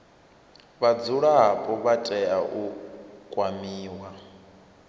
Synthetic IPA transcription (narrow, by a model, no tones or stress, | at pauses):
βad͡zuɺaɦapʼɔβatʼɛaʔukʼwamiːwa